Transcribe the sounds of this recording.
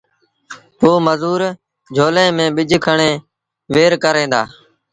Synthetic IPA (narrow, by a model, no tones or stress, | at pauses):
poːməzuːɾ | d͡ʒʱoːlẽːmẽːɓɪd͡ʒʱkʰəɳẽː | ʋeːɾkəɾẽːd̪a̰ː